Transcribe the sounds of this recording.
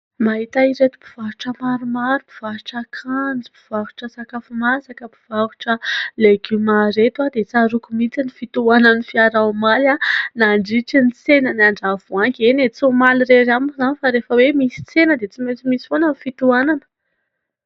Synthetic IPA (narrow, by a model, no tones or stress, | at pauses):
maɦit̪aiɾet̪u̥bi̥v̥aɾu̥ʈ͡ʂəmaɾumaɾubi̥v̥aɾuʈ͡ʂakʰand͡zibiv̥avu̥ʈ͡ʂəsakafumasakəpiv̥avu̥ʈ͡ʂəleɡymaɾet̪wad̪et͡saɾukumit͡sinifit̪uananifiaɾawmalanaɳɖ͡ʐiʈ͡ʂinit͡senənaɳɖ͡ʐavuaŋkʲenet͡sumaliɾeɾamzanifaɾefəwemisi̥t͡senəd̪et͡simet͡simisi̥fonənifit̪uananə̥